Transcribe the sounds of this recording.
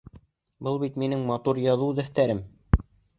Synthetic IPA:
bɤlˠbit̪minɘŋmɑt̪uɾjɑðud̪æθt̪æɾɘm

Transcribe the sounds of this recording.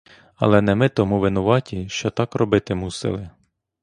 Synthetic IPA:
ɑ̰lˠɛnɛmɪt̪ɔmuʋɪnʊʋɑtʲiʃt͡ʃɔt̪ɑkrɔbɪt̪ɪmusɪ̰lˠɪ

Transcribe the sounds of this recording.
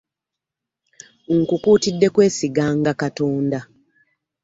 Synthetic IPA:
ŋkukuːtidːe̞kwe̞ːsiɡaːŋɡakatoːnda

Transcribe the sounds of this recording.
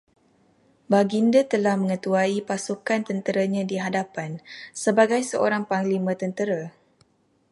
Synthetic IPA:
baɡindət̪əlahmə̃ŋət̪uaipasukant̪ənt̪əɾaɲãdiɦadapansəbaɡajsəʔoɾaŋpaŋlimə̃t̪ənt̪əɾa

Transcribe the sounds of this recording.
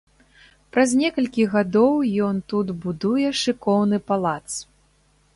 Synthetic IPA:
pɾazʲnʲɛkɐlʲkʲiɣad̪ɔwjɔnt̪ut̪bud̪ujɛʂɨkɔwnɨpalˠat̪s

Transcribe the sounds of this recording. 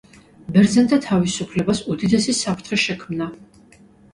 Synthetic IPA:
bɛɾd̪zɛnt̪ʰat̪ʰavisupʰlɛbasud̪id̪ɛsisapʰɾt̪ʰχɛʃɛkʰmna

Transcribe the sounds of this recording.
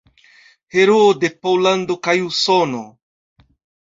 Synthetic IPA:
he̞ɾoode̞polando̞kajusono̰

